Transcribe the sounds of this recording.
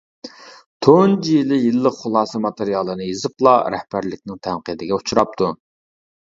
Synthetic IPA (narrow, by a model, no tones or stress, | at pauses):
t̪ʰond͡ʒilɪjilːəqχʊlˠɑːsɨmɑt̪eɾijɑlˠɨnɨjezɨplˠɑɾɛhbæɾlɪk̚ʲnɪŋt̪ʰɛnqɨd̪ɪɡʲɛut͡ʃʰuɾɑp̚t̪ʰu